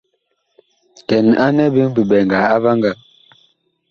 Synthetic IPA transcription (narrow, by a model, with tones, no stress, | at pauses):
kɛ˨na˦nɛ˦bi˦ŋ˦bi˨ɓɛ˨ŋɡa˨a˦va˦ŋɡa˨